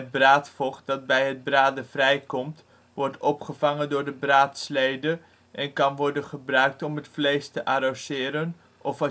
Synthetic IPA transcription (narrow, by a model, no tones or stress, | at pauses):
ət̚braːtfɔχt̚dɑd̚bɛjɦəd̚braːdəvrɛjkɔmt | ʋɔɹtɔpχəvɑŋəndʊːɹdəbraːtslejdə | ʔɛnkɑnʋɔɹdənχəbrœɥk̚tɔmɦətflejstəʔaɾosɪːɾən | ʔɔfɑ